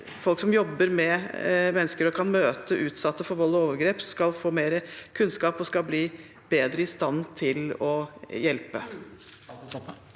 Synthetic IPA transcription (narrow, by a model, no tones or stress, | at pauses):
fɔlksɔmjɔbːəɾmɛmɛnːəskəɾɔkʰɑnmøːt̪əʔʉːt̪sɑt̪ːəfɔɾʋɔlːɔoːʋəɾɡɾeːpskɑlfoːmeːɾəkʰʉnskɑːpɔskɑbliː | b̥eːd̪ɾəɪst̪ɑnt̪ʰɪlɔjɛlpə